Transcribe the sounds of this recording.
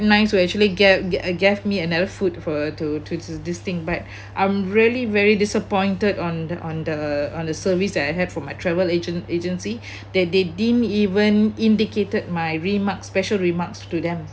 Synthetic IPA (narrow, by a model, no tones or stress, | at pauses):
nãɪ̃nsuɛk̚t͡ʃuəliɡɛɡɛfmiənadəfutfɔtutudist̪ɪ̃ŋbat̚ | ʔãɪ̃mɹiəlivɛɹidisəpɔ̃ɪ̃ntədɔ̃nɔ̃ndəɔ̃ndəsəvisdɛtaɪɦɛd̚fɔ̃majtʰɹɛvəled͡ʒə̃ned͡ʒə̃nsi | dɛt̚dedĩmivə̃nĩndiketəd̚maɪɹimakspɛʃəlɹimakstudɛ̃m